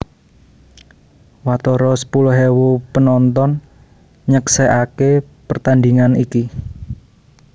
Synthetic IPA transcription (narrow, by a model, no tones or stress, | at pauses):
wat̪ɔɾɔsə̥pulʊɦewupənɔnt̪ɔn | ɲəkseʔake | pərt̪and̪iŋaniki